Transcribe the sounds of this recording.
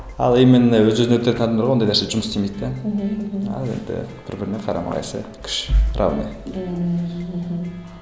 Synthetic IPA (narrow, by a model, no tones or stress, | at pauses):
ɑ̰lˠejmːenewɵzʒøzeɵt̪et̪nɑd̪ɑmd̪əɾʁɑwond̪ɑjnæɾseʒʊməsst̪emejd̪t̪ɑ | ɑ̰lˠe̞̰nd̪ɪ̰b̥ɪɾbɪɾɪneqʰɑɾɑ̰mɑ̰ʁɑ̰jsə̰kʲʰʏ̥ʃrʔa̰wnḛ